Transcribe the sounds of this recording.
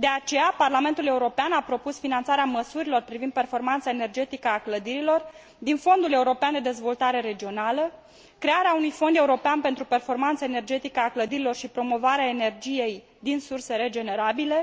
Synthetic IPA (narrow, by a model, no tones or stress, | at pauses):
d̪e̞at͡ʃe̞japarlame̞nt̪ule̞uɾo̞peanapɾo̞pusfinant̪saɾeaməsuɾilo̞rpɾivind̪̚pe̞rfo̞rmant̪sae̞ne̞rd͡ʒe̞t̪ikəakləd̪iɾilo̞r | d̪info̞nd̪ule̞uɾo̞peand̪ed̪e̞zvo̞lt̪aɾe̞ɾe̞d͡ʒio̞nalə | kɾe̞aɾeaunujfo̞nd̪e̞uɾo̞peanpe̞nt̪ɾupe̞rfo̞rmant̪səene̞rd͡ʒe̞t̪ikəakləd̪iɾilo̞rʃipɾo̞mo̞vaɾeaene̞rd͡ʒije̞j | d̪insurse̞ɾe̞d͡ʒe̞ne̞ɾabile̞